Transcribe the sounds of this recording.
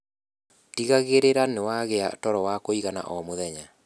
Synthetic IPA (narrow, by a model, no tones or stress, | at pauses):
tiɣaɣeɾeɾanewaɣeatɔɾɔwakoiɣana̰ʔɔmoðɛɲa